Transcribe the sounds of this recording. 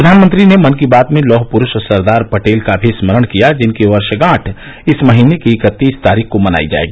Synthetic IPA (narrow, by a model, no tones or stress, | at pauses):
ɾʊd̪ʱaːnmə̃nt̪ɾinemɐnkibaːt̪mẽlɔːɦpʊɾʊʃsɐɾd̪aːɾpɐʈeːlkabʱisməɽ̃kijad͡ʒɪnkeʋɐɾʃɡãːʈʰ | ɪsmɐɦiːnekeːkət̪ːiːst̪aːɾiːkʰkomɐna̰ːid͡ʒa̰ːḛːɡiː